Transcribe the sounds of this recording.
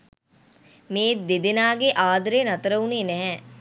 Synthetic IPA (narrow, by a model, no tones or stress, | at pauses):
meːd̪ed̪enaːɡeʔaːd̪ɾenat̪əɾəuneːnɛɦɛ